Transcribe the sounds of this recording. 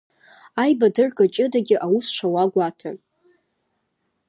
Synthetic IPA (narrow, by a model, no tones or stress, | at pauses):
ajbadɨrkʼat͡ʃʼɪdaɡʲɪʔawusʂʷawaɡʷatʰa